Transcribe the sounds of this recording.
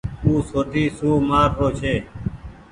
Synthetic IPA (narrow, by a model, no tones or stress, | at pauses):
uːsoːt̪ʰiːsuːmaːɾpoːt͡ʃʰeː